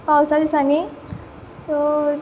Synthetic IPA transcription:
pawsad̪isani | sɔ

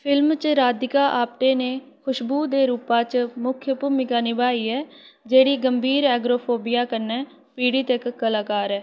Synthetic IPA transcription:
pʰɪlmt͡ʃɾaːd̪ɪkaːʔaːp̚ʈ̪eːneː | kʰʊʃbuːd̪eːɾuːpaːt͡ʃmʊkʰjəpuːmɪkaːnibaːiːɛː | d͡ʒeːɽiːɡəmbʱiːɾɛːɡɾoːpʰoːbɪjaːkəɾnɛː | piːɽiːt̪ekːəlaːkaːɾɛː

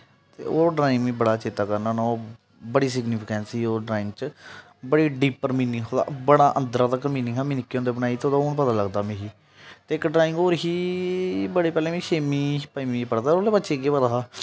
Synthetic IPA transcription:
t̪ḛːoːɖɾaːɪmĩːbəɽaːt͡ʃeːt̪aːkəɾnaːnaː | bəɽiːsɪɡnipʰɪkɛːnsiːoːɖɾaːɪ̃ŋɡt͡ʃ | bəɽiːɖiːpəɾmiːnɪɦoːd̪a̰ːbəɽaːʔənd̪ɾaːt̪əkmĩːnɪ̃ŋɦaːmĩːnɪkːiːõːnd̪eːbənaːiːt̪eoːd̪aːoːɳp̬ət̪aːləɡd̪aːmĩːɦiː | t̪eːɪkɖɾaːɪ̃ŋɡoːɾɦiː | bəɽeːpɛːlẽːʋĩːʃeːmiːpaimĩːpəɽd̪aːoːleːbətːʃeːɡeːpəd̪aːaː

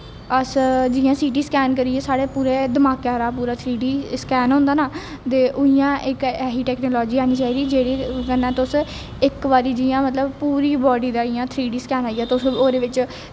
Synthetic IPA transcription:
əsd͡ʒɪjãːsiːʈ̬iːskɛːnkəɾiːeːsaːɽeːpuːɾeːd̪əmaːkɛːɾaːpuːɾaːt̪ʰɾiːɖiːskɛːnɦõnd̪aːnaː | t̪eːʔʊɪjãːʔɪkɛːɦiːʈɛːknoːlɔːd͡ʒiːaːniːt͡ʃaːiːd̪iːd͡ʒeːɽiːkənːãːt̪s | ɪkʋaːɾiːd͡ʒijãːmət̪ləbpuːɾiːbɔːɖiːd̪aːɪjãːt̪ʰɾiːɖiːskɛːnaːiːaːt̪ʊsoːɾeːʋɪt͡ʃ

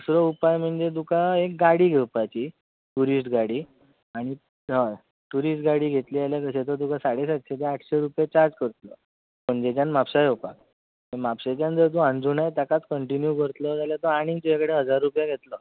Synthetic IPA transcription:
əsɾɔupajm̤əɳd͡zed̪ukaek̚ɡaɽiːɡʱewpat͡ɕiː | ʈuɾisʈɡaɽiː | aɽ̃i | ɦã | ʈuɾisʈɡaɽiːɡʱet̪lialjakəset̪əɾd̪ukasaɽesad̪ɕet̪̬eaʈʰɕeɾupjet͡ɕaɾd͡zkəɾt̪lə̰ | m̤əɳd͡zet͡ɕjanmapsajupak̚ | ẽmapsat͡ɕand͡zəɾt̪̬uãnd͡zunajt̪jakat͡skəɳʈinjukəɾt̪ləd͡zaljat̪əaɽ̃ĩŋɡt̪ud͡ʑakəɽeɦəd͡zaɾːupjaɡʱet̪lə

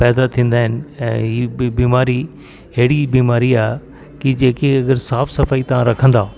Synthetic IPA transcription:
pɛːd̪at̪ʰĩːnd̪aːɦɪnɪ̆ɛ̃ːɦibiːmaːɾi | ɦeːɽibiːmaːɾiaːɦ | kid͡ʑeːkeɐɡəɾsaːfsɐfaːit̪ɐʋ̤ãɾɐkʰə̃nd̪aː

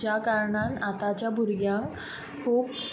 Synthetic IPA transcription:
d͡ʑjakaɾɳanat̪at͡ɕjabʱuɾɡjãŋk | kʰuːp

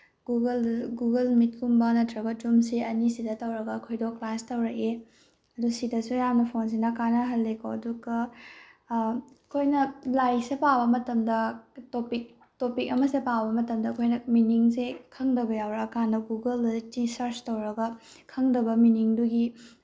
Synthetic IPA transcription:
ɡuɡɐlɡuɡɐlmit̚kumbɐnɐtʰɾɐɡɐtumsiɐnisidɐtɐwɾɐɡɐkʰojdoklastɐwɾɐke | ɐdusidɐsujamnɐpʰons̬inɐkanɐɦɐlːekʰoɐduɡɐ | kʰojnɐlajsepawbɐmɐtɐmdɐtopik̚ | topikɐmɐsepawbɐmɐtɐmdɐːkʰojnɐminiŋsekʰɐŋdɐbɐjawɾɐkandɐɡuɡɐltisɐɾstɐwɾɐɡɐ | kʰɐŋdɐbɐminiŋduɡi

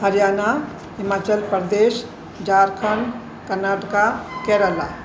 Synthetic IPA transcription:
ɦəɾjaːna | ɦɪmaːt͡ʃəlpəɾd̪eːʃ | d͡ʒaːɾkʰən | kəɾnaːʈkakɛːɾəla̰

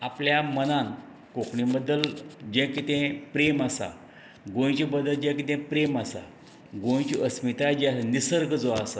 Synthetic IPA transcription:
apljamənãn | kokɳibəd̪ːəld͡ʑɛ̃kit̪ɛ̃pɾemasa̰ | ɡõj̃t͡ɕibəd̪əld͡ʑɛ̃kit̪ɛ̃pɾemasa̰ | ɡõj̃t͡ɕiʔəsmit̪ad͡ʑnisəɾɡd͡zɔasa

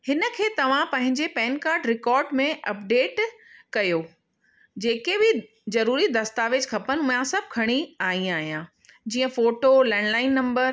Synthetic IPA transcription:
hɪnə̆kʰeːt̪ɐʋ̤ãpɐ̃ɦɪ̃ɲd͡ʑepɛːnkaːɾɖɾɪkɔːɾɖmẽɐp̚ɖeːʈkɐjoː | d͡ʑeːkebɪ | zɐɾuːɾid̪ɐst̪aːʋed͡ʑkʰɐpənʊjãsɐb̚ʱkʰɐɽ̃iaːĩaːɦijã | d͡ʑiːə̃foːʈolɛ̃ːnlaːɪnːɐ̃mbəɾ

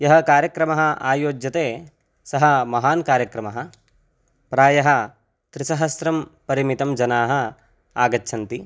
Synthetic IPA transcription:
jɐɦɐkaːɾjɐkɾɐmɐɦɐ̆aːjoːd͡ʒjɐt̪eː | sɐɦɐ̆mɐɦaːnkaːɾjɐkɾɐmɐɦɐ̆ | pɾaːjɐɦɐ̆ | t̪ɾisɐɦɐsɾɐmpɐɾimit̪ɐmd͡ʒɐnaːɦɐ̆ | aːɡɐtːt͡ʃʰɐnt̪i

